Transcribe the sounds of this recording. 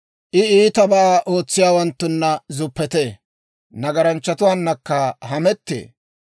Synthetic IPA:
ʔɪiːt̪ɐbɐʔaːʔoːt͡sːɪjaːwɐnt̪ːʊnːɐzʊpːɛt̪eː | nɐɡɐɾɐnt͡ʃːɐt̪ʊwaːnːɐkːɐɦɐmɛt̪ːḛː

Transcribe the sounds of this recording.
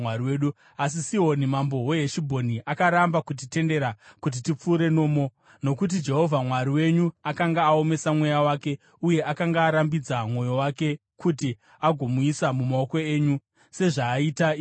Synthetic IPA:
aiweːɗu | as̬isio̞nimambo̞we̞ɦeʃibʱo̞niʔakaɾambakut̬ite̞nde̞ɾakut̬itip͡fuːɾe̞no̞ːmo̞ | no̞kut̬id͡ʒe̞ɦo̞vʱamwaɾiwe̞ɲuakaŋɡaːo̞me̞samwe̞jawake̞ | uje̞ʔakaŋɡaːɾambid͡zamwo̞jo̞wake̞ | kuti | aɡʱo̞muisamumao̞ko̞e̞ːɲu | se̞ʐaːita

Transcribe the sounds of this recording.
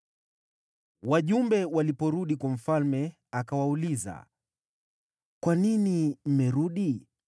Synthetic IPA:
waʄumbɛwalipɔɾuɗikwam̩falmɛ | akawauliza̰ | kwaninim̩mɛɾuɗi

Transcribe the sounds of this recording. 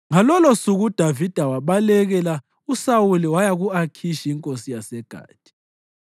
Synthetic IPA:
ŋalɔlɔsuɣud̥ʱavid̥ʱawaβalɛɣɛla | usawuliwajaɣuakʰiʃiiŋkʼosijasɛɡ̥ʱa̰ːd̥ʱi̥

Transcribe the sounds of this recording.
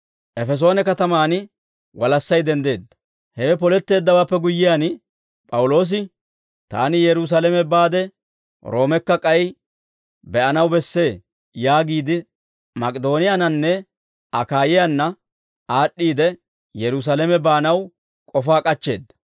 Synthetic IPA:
ʔɛfɛs̬o̞ːnɛkɐt̪ɐmaːnɪ | wɐlɐsːɐjd̪ɛnd̪e̞ːd̪ːɐ̥ | hɛp̬ɔlɛt̪ːe̞ːd̪ːɐwaːpːɛɡʊjːɪjaːn | pʼɐwʊlo̞ːs̬ɪ | t̪a̰ːnɪjɛɾʊs̬alɛmɛbaːd̪ɛ | ɾo̞ːmɛkːɐkʼɐj | bɛʔɐnɐwbɛsːe̞ː | jaːɡiːd̪ɪ | mɐkʼɪd̪o̞ːnɪjanɐnːɛ | ɐkaːjɪjanːɐ | ʔaːɗːiːd̪ɛ | jɛɾʊs̬alɛmɛbaːnɐw | kʼɔfaːkʼɐt͡ʃːe̞̰ːd̪ːɐ̥

